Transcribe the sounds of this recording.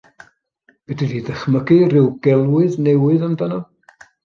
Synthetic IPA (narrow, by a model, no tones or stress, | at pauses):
b̥ɛdiðiðəχməɡɨrɪwɡɛlˠwɨðnɛwɨðəmdanɔ